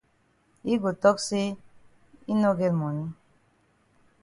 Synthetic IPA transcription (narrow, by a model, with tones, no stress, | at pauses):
i˦ɡo˨t̪ɔ˦kse˦ | i˦nɔ˦ɡe˦lmɔ˨ni˦